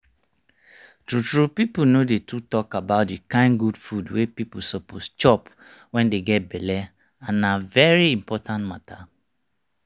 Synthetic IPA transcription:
tɹutɹupipunodetʰutɔkabaʊt̚dikãɪ̃nɡud̥fudwepipusɔpost͡ʃɔp | wɛ̃ndeɡɛt̚bɛlɛ | ãnavɛɹiĩmpɔtʰãntmatʰa

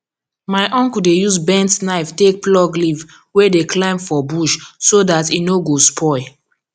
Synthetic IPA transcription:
maɪʔɔ̃ŋkudejuzbɛ̃ntnaɪftek̚plɔɡliv | wedeklãɪ̃mfɔbuʃsodatinoɡospʰɔɪ

